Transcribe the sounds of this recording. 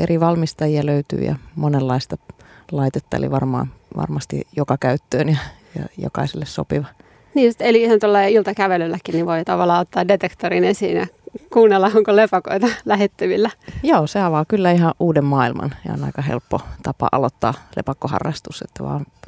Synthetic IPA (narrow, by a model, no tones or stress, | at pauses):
ʔeriʋɑlmist̪ɑjiɑløyt̪y̰ːjɑ̰monelːɑist̪ɑlɑit̪et̪ːɑḛlḭʋɑrmɑ̰ːnʋɑ̰rmɑst̪ḭjokɑkæyt̪ːøːnjɑjɑ̰jo̰kɑ̰iselːesso̰piʋɑ | niːsit̪eliihɑnt̪olːɑilt̪ɑkæʋelylːækːinniʋʋoit̪ɑʋɑlːɑːot̪ːɑːdet̪ekt̪oɾinesiːnjɑkuːnːelːɑoŋkolepɑko̰it̪ɑlæhet̪ːyʋilːæjoːseɑʋɑːkylːæiɦɑʔʔuːdemmɑːilmɑ̰nsḛo̰nɑ̰ikɑhḛlpːot̪ɑpɑ̰ʔɑlot̪ːɑ̰ːlḛpɑkːohɑ̰rːɑst̪uset̪ːæʋɑ̰ːn